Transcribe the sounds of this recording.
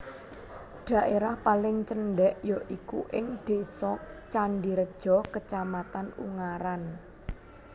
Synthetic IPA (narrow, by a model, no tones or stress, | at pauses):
ɖ̪̥ä̤ʔeɾahpalɪŋt͡ʃənɖɛʔjɔʔikuʔɪŋd̪̥e̤sɔt͡ʃanɖiɾəd̥ʒ̥ɔ̤kət͡ʃamat̪anṵŋaɾan